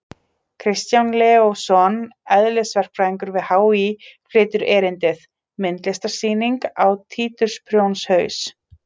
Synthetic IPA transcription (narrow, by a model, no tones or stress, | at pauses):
kʰɾɪst̪janlɛːosɔnɛðlɪsvɛr̥kfɾaːiŋkʏɾvɪðhaːwikʰvɾɪːt̪ʏɾɛːɾɪnt̪ɪθ | mɪnt̪lɛst̪ḁsiːniŋkawt̪ʰiːt̪ʏɾ̥spʰɾjownshœːɥs